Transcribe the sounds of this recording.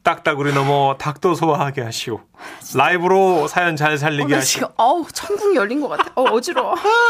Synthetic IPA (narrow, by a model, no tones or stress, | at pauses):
t͈ak̚t͈aɡɯɾinʌmʌtak̚t͈osʰowaɦaɡeɦaɕʰiɡo | laibɯɾosʰajʌnt͡ɕaɭs̬ʰaʎːiɡeɦaɕʰiʌt͡ɕʰʌnɡuŋijʌʎːinɡʌk͈atʰeʌːd͡ʑiɾo